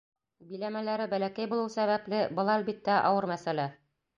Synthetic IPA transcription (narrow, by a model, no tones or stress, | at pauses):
bilæmælæɾɘbælækæjbulˠɤwsæβæplɘbɤ̆lˠɑælbit̪ːæʔɑ̰wɤɾmæsælæ